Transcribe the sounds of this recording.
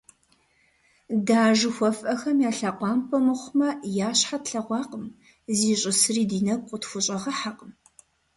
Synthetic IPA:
daːʒɨxʷɔfʼɐxɐmjaːɬaqʷɑːmpʰɐmɨχʷʊmɐjaːɕħatɬɐʁʷɑːqəm | ziːɕʼɪsɨriːdiːnɐɡ̚qʷʼʊtxʷʊɕʼɐʁɐħaqʼəm

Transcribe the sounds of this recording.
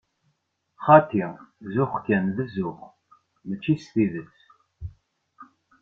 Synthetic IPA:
χɑt̪izʊχkænðəzʊχ | mət͡ʃːisθiðət͡sː

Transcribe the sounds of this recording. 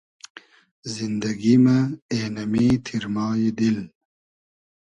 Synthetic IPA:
zind̪ɐɡimaeːnɐmit̪ʰiɾmɑːjid̪il

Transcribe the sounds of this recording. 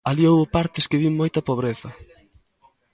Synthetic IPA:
aliowβʊpaɾt̪ɪskɪβiŋmojt̪ɐpoβɾeθɐ

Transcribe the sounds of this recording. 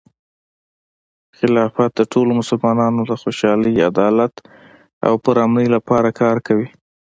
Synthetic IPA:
xɪlɑfat̪̚d̪əʈʰolomʊsʊlmɑnɑnod̪əxoʃɑləja̰d̪ɑlat̪ | a̰wpəɾɑmnəjlapɑɾakʰɑɾkawi

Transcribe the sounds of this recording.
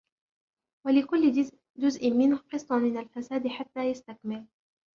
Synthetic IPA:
walɪkʊlːɪ | d͡ʒʊzʔɪmɪnhqɨsˤːɑmɪnalfasaːd̪ɪħat̪ːaːjast̪akmɪl

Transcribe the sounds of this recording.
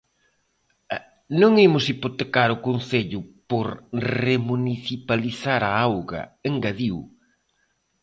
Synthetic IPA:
nõŋemʊsipot̪ekaɾʊkonθeʎʊpoɾremuniθipaliθaɾaawɣɐ̰eŋɡaðiw

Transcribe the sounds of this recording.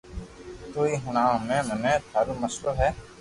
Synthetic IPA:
t̪uːiːɦəñãːmẽːmənẽːt̪ʰaːɾuːməsɾoːɦɛː

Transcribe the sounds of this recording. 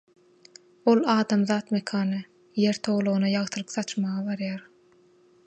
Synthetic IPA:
o̞lˠɑːd̪ɑmðɑːt̪mekʰɑːnɯ | je̞ɾt̪ʰo̞wlˠoɣunɑjɑʁt̪ʰɯlˠɯqθɑt͡ʃmɑʁɑβɑɾjɑːɾ

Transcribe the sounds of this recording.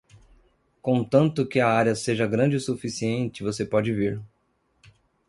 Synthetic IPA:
kõt̪ɐ̃nt̪ʊkɪɐaɾjɐseʒɐɡɾɐ̃d͡ʒɪsufisiẽnt͡ʃɪvosepɔd͡ʒɪviɾ

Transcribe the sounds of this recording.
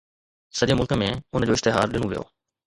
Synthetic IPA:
sɐɗõmʊlkəmẽʊnd͡ʑoːɪʃt̪ɪɦaːɾɗɪnũʋijo̰ː

